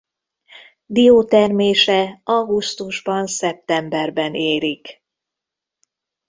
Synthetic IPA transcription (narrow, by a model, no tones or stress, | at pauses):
d̪ioːt̪ɛrmeːʃɛɒɡust̪uʒbɒnsɛp̚t̪ɛmbɛrbɛneːɾik